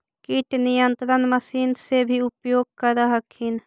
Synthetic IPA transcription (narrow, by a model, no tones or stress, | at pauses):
kiʈnijənt̪ɾənməsiːnsebʱiupjoːɡ̚kəɾəɦəkʰhin